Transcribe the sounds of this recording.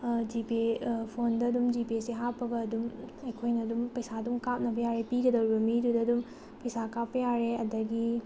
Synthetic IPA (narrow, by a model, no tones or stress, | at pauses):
d͡ʒipipʰondɐːdumd͡ʒipesiɦapʰːɐɡɐːdumɐjkʰojnɐːdumpɐjsadumkap̚nɐpʰɐjaɾepiɡɐdɐwɾibɐmidudɐːdum | pɐjsakapːɐjaɾeɐdɐɡi